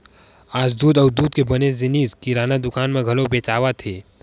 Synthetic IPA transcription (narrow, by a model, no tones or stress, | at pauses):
aːd͡ʒd̪uːd̪ɐːd̪uːd̪̚kebɐnezɪniːzkiɾaːnad̪ʊkaːnmẽɡʱɐlobeːt͡ʃaːʋat̪ʰeː